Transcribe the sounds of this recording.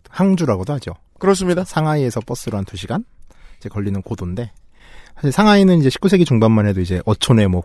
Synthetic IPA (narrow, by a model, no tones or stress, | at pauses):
haŋd͡ʑuɾaɡodohad͡ʑo | kɯɾʌs̬͈ɯmɲidasʰaŋɦaie̞sʰʌp͈ʌs͈ɯɾoɦantuɕʰiɡanid͡ʑe̞kʌʎːinɯnkodonde̞ | sʰaɕʰiɭsʰaŋɦainɯnid͡ʑe̞ɕʰi̥k͈usʰe̞ɡit͡ɕuŋbanmanɦe̞doid͡ʑe̞ʔʌt͡ɕʰone̞mwʌ